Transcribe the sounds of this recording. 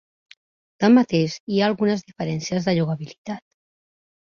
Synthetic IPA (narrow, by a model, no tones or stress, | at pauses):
t̪amːat̪eʃiaːlˠɣunəzðifəɾɛnsiəzðəʎuɣəβilit̪at̪̚